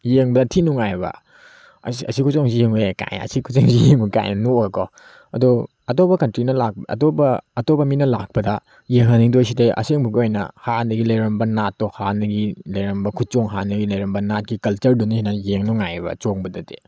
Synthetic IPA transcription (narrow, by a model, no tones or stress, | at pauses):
jeŋbɐdɐtʰinuŋajbɐ̰ | sɐ̰sikʰusoŋzijeŋueka̰jn̰ɐ̰sikʰuseŋsijeŋuka̰jnɐnoekɔ | ɐdu | ɐtopɐkɐntɾinɐlak̚ɐ̰tobɐːtopbɐminɐla̰k̚pɐdɐ | jeŋɦɐniŋdojs̬ideʔɐ̰seŋbuɡojnɐ̰hanɐɡilɐjɾɐmbɐnatːɔhanɐɡilɐjɾɐmbɐkʰut̚t͡ʃoŋɦanɐɡilɐjɾɐmbɐnat̚ɡikɐlt͡ʃɐɾdunisinɐjeŋnuŋajbɐ̰t͡ʃoŋbɐdɐde